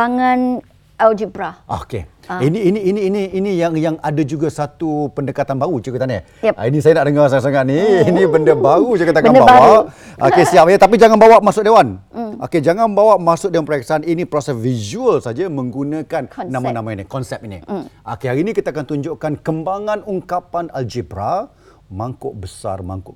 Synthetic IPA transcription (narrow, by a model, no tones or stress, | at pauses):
aŋan | ɛld͡ʒibɾao̰kḛiniːniːniːniːnijaŋjaŋadad͡ʒuɡasat̪upəndəkat̪anbaɾut͡ʃukut̪anə̰ | a̰inisajanaʔdəŋarsaŋasaŋaʔniinibəndəbaɾud͡ʒakat̪akanbawaʔo̰kesiapajat̪ap̬id͡ʒaŋanbawaʔmasʊk̚dewanʔa̰ked͡ʒaŋanbawaʔmasʊʔ̚dewanpɾaɛksaninipɾɔsɛsvizuəlsad͡ʒəmə̃ŋɡunə̃kanːãmanãmainikɔnsɛp̚inḭa̰keaɾinikit̪aakant̪uɲd͡ʒoʔkankəmbaŋãnuŋkapanald͡ʒebɾa̰ | maŋkʊʔbəsa̰rma̰ŋkʊʔ